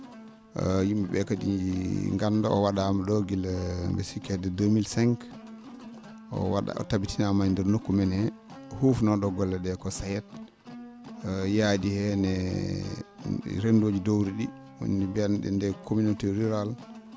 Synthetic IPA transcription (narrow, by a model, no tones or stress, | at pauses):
jimbɛbɛkadiɲd͡ʒiŋɡanːdɔɔwaɗamdoɡilmbɛsikɛdɛdomilsɛŋk | ɔ̰wa̰ɗa̰ɔ̰tabitinamaɲndɛɾnokːumɛnhɛhufnɔɗɔɡɔlːɛɗɛkɔsajɛt̚ | jadihɛnɛ | ɾendod͡ʒidowɾiɗi | wṵndibianɗɛ̰ndɛkʰominotɛɾiɾal